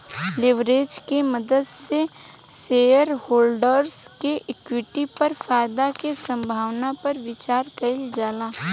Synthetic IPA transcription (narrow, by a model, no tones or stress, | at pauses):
lɪʋɾeːd͡ʒkemɐd̪əd̪se | seːjəɾhoːlɖəɾskeʔɪkwɪʈipɐɾfaːjd̪akesə̃mbʱaːʋnapɐɾʋɪt͡ʃaːɾkɐild͡ʒaːlaː